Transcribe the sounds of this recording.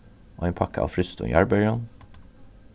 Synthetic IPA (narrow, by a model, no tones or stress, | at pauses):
ʔoːeːnpʰɑkəʔɑ̰ːʋfɾʏst̪ʊ̰jʔæ̰ɹbœʏɑn